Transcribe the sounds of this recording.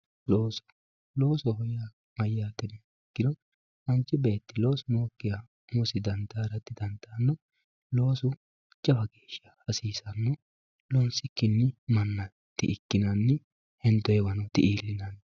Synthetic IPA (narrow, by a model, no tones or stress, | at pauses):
loːsɔ̥ | loːsɔɦɔja | mɐjːaːt̪ɛnɪ | ɛkːɪd̪ɔ | mɐnt͡ʃːɪbe̞ːt̪ːɪloːsʊnoːkːɪja | mʊsɪd̪ɐnd̪aːɾɐt̪ːɪd̪ɐnd̪aːnːɔ | lo̞ːsʊ | t͡ʃʼɐbɐɡe̞ːʃːɐ̥hɐsiːsɐnːɔ | lɔnsɪkːɪnːɪmɐnːɐ | t̪ːɪɪkːɪnɐnːɪ | hɛnt̪ːɔjɛwɐnɔt̪ːɪʔiːlːɪnɐn